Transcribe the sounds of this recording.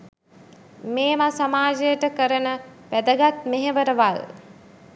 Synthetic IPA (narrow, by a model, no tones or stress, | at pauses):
meːmasamaːd͡ʒəjəʈəkəɾənəʋæd̪əɡat̪meɦeʋəɾəʋal